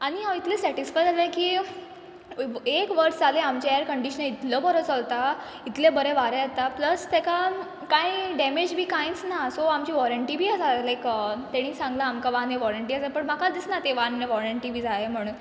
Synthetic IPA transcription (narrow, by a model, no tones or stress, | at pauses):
aɽ̃iɦawit̪lesɛʈisfajd͡zalekiː | ekʋəɾd͡zaleamt͡ɕeɛɾkəɳɖiɕənəit̪ləbəɾət͡səlt̪a | it̪lebəɾeʋaɾeət̪apləst̪ɛka | kãiɖɛmed͡ʑbʱiːkãj̃t͡snasoamt͡ɕiːʋɔɾəɳʈibʱiːasalajkət̪eɽ̃ĩːsãŋɡlaːmkaʋãneʋɔɾəɳʈiːasapəɳm̤akad̪isnat̪eʋanːeʋɔɾəɳʈibʱiːd͡zaɦem̤əɽ̃uːn